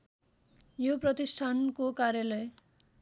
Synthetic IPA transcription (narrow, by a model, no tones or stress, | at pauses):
joprʌt̪isʈʰankokaɾjalʌj